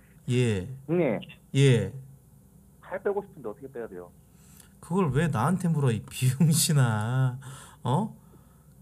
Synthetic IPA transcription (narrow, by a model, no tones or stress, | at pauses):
je̞neje̞ | pʰaɭp͈eɡoɕʰi̥pʰɯnd̪eʌt̪ʰʌ̥kʰet͈ejad̪ḛjo̰ | kɯɡʌɭwe̞naːntʰembuɾaipijɯŋɕʰina | ʌ